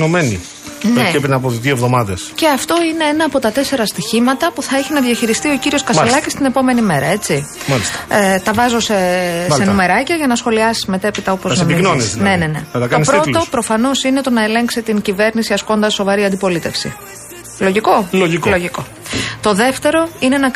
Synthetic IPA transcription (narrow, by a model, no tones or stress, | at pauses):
nomenḭ | nneepɾinɐpot̪ðjiovðo̞mɐðesce̞ɐft̪o̞ine̞enɐːpo̞t̪ɐt̪e̞se̞ɾɐst̪içimɐt̪ɐpuθɐeçinɐðʝɐçiɾist̪io̞ciɾio̞skɐselɐcist̪ine̞po̞me̞nime̞ɾɐe̞t͡si | mɐlist̪ɐt̪ɐvɐzo̞sesennume̞ɾɐcɐʝɐnɐsxo̞liɐsi̥zme̞t̪e̞pit̪ɐopozsnominonisne̞ne̞ne̞̰ɐt̪ɐkɐonispɾoopɾo̞fɐno̞sine̞t̪o̞nɐe̞le̞ŋksit̪iɲcive̞ɾnisiɐsko̞nd̪ɐsːo̞vɐɾiɐnd̪ipo̞lit̪e̞fsḭ | loʝiko̞loʝikloʝiko̞ | t̪o̞ðe̞ft̪e̞ɾo̞inenɐ